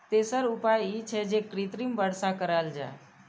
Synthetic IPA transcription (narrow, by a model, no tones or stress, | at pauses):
t̪esəɾupajit͡ʃʰɛd͡ʒekɾit̪ɾimbəɽsakəɾəld͡ʒa̰e